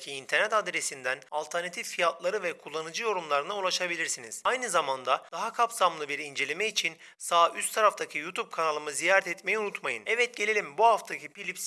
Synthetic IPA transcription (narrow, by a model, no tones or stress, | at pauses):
cʰiːnt̪ʰɛɾnɛt̪ad̪ɾesind̪ænalˠt̪ʰɛɾnat̪ʰiffijat̪lˠaɾɯvɛkʰulˠːanɯd͡ʒɯjo̞ɾumlˠaɾɯnaulˠaʃabilʲiɾsiniz̥ajnɯzamand̪ad̪aɦakʰapsamlˠɯbiɾind͡ʒe̞lʲemɛit͡ʃʰin | saːyst̪ʰaɾaft̪ʰacʰijut̪ʰub̚kʰanalˠɯmɯzijaːɾɛt̪ʰɛt̪mejɛunut̪majɯnɛvɛt̪̚ɟe̞lʲelʲimbuɦaft̪ʰacʰipilʲips